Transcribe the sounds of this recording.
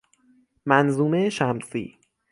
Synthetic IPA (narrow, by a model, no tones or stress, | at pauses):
mænzuːmeʃæmsḭː